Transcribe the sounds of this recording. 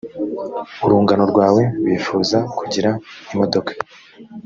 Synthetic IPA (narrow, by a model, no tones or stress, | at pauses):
uɾuːŋɡano̞ɾɡwaːwe̞ɾwiːfuːzakuɟiɾaimo̞do̞kḁ